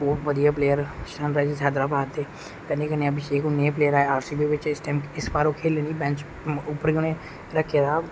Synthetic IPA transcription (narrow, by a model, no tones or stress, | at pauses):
oːʋəd̪ijaːpleːəɾʃənɾaːizsaːd̪ɾaːbaːd̪t̪eː | kɛ̃ːndeːkəneːabɪʃeːkʊnːeːpleːəɾaːeaːɾsiːbeːʋɪt͡ʃɪsʈaːmkɪsbaːɾoːkʰeːlẽːniːbɛ̃ːnt͡ʃ | ʊpːəɾɡɪñẽː | ɾəkʰːeːd̪aː